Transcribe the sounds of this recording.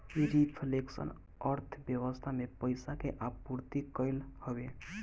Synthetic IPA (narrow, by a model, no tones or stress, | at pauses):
iɾipʰleksə̰n | əɾt̪ʰbjəwəst̪ʰamepəɪsakeʔauɾt̪ikəɪlhəbe